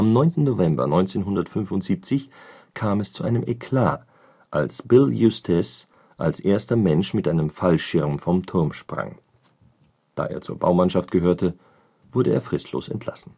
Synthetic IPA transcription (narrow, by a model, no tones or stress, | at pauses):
ʔamnɔʏntn̩novɛmbɐ̰nɔʏnt͡seːnɦʊndɐtfʏnfʊntz̥iːp̚t͡sɪçkʰaːmɛst͡suʔaɪnəmʔɛkʰl̥a̰ː | ʔalsb̥ɪljustʰɛs | ʔa̰lsʔeːɐstɐmɛnʃmɪtʔaɪnəmfalʃɪɐmfɔmtʰʊɐmʃpʁ̥a̰ŋ | d̥a̰ːʔḛːɐt͡suːɐbaʊmanʃaftɡ̥əɦøːɐtʰə | v̥ʊɐɾəeːɐfʁ̥ɪstʰlo̰ːsɛ̰ntʰl̥a̰sn̩